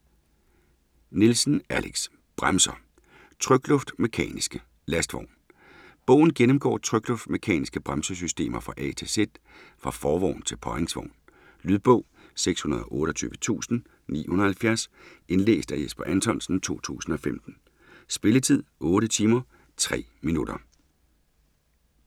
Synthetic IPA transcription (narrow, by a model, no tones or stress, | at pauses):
nilsn̩ælʔeɡ̥s | b̥ʁamsɐ | t͡sʰʁœɡ̥lɔ̽fd̥me̝kʰɛ̰ːnisɡ̥ə | læsd̥ʋɒ̰ʊ̰n | b̥ɔ̰̽ʊ̰n̩ɡ̥enəmɡ̥ɒ̰ːt͡sʰʁœɡ̥lɔ̽fd̥me̝kʰɛ̰ːnisɡ̥əb̥ʁamsəs̬ysd̥e̝̰ːmɐfʁɑ̈ʔɛ̰t͡sʰe̝sed̥ | fʁɑ̈fɒːʋɒ̰ʊ̰n̩t͡sʰe̝lpʰɒeŋsʋɒ̰ʊ̰n | lyðˠb̥ɔ̰̽ʊ̰ | seɡ̥shunɐð̞ˠɒ̽ʔɔ̽ːɾəɒ̽t͡sʰy̰ːʋət͡sʰṵːsn̩ | nḭːhunɐhælfjæɐs | e̝nlḛːsd̥æjesb̥ɐʔænt͡sʰɒ̽nsn̩t͡sʰo̝̰ːt͡sʰṵːsn̩ɒ̽femd̥n̩ | sb̥e̝lət͡sʰið̞̰ˠɔ̽ːɾət͡sʰiːmɐ | t͡sʰʁɛ̰ːminud̥ɐ